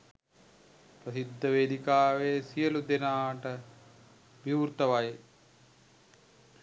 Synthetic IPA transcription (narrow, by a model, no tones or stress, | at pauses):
pɾɐsid̪ʱːɐʋeːd̪ikaːʋeːsijɐlud̪enaːʈɐ | biːɾt̪ɐʋaj